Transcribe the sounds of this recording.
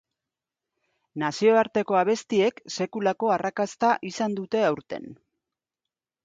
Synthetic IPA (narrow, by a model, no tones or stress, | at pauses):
nasio̞aɾt̪e̞ko̞aβ̞e̞st̪ie̞kse̞kulako̞arakast̪aʔisand̪ut̪e̞awɾt̪e̞̰n